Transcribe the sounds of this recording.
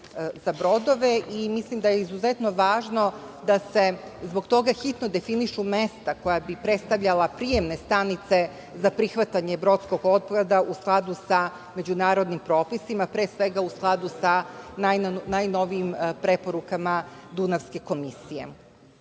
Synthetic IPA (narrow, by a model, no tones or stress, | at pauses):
z̥abɾo̞d̪o̞ʋe̞ʔimislimd̪ajeizuzet̪no̞ʋaːʒno̞ | d̪ase̞zbo̞ɡt̪o̞ɡaxit̪nod̪e̞finiʃume̞st̪ako̞jabipɾe̞t̪st̪aʋʎalapɾije̞mne̞st̪anit̪se̞ | zapɾixʋat̪aɲebɾo̞t̪sko̞ɡo̞t̪̚pad̪aʔusklˠad̪usa | me̞d͡ʑunaːɾod̪nimpɾo̞ːpisimapɾeːsʋe̞ɡausklˠad̪usanajnajno̞ʋiimpɾe̞po̞ɾukamad̪unafske̞ko̞misijḛ